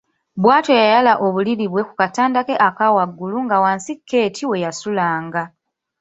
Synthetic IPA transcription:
bwaːto̞jajalaʔo̞βuliɾiβwe̞kukataːndake̞ʔakawaɡːuluŋɡawaːnsikʰːe̞ːtʰiwe̞jasulaːŋɡa

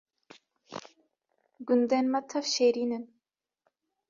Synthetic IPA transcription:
ɡund̪enmɐt̪ʰɐfʃeːɾiːnɨn

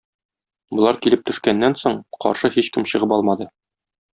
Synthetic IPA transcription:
bŏlˠɑɾkilɘp̚t̪ɵ̆ʃkænːænsoɴqɒ̰ɾʃɤhiɕkɘmɕɤ̆ʁɤpɒlˠmɑd̪ɤ

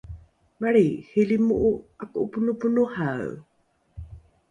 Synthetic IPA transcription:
maɾihelimuʔuakuʔupunupunuhaw

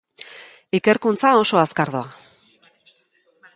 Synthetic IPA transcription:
ike̞ɾkunt͡sao̞so̞askaɾðua

